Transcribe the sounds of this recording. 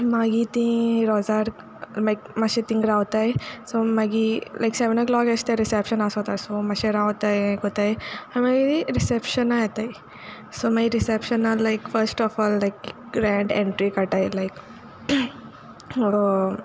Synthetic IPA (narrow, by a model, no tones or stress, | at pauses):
maːɡit̪ĩɾoːzaːɾ | mɐjkmɐʃet̪ĩŋɡɾaːwt̪ajsomɐɡilʔa̰jkseʋenɐɡlɔːkɐst̪eɾisepʃɐnaːsot̪aːɾsomɐʃeɾaːʋt̪ajkot̪ːajiamɐɡiɾisepʃɐnaet̪ai | soːmɐɡiɾisepʃɐnɐːajkfɐɾsʈɔfɔːlːajk | ɡɾaːɳɖeɳʈɾikɐʈajlajk | so